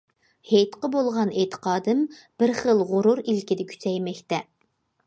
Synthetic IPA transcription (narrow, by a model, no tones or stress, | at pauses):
hejt̪qəbolˠʁɑnet̪ʰə̥qɑːd̪ɨmb̥ɪɾχəlˠʁʊɾuɾilkʲid̪ɪkʲʰy̥t͡ʃʰɛjmɛkʲt̪ɛ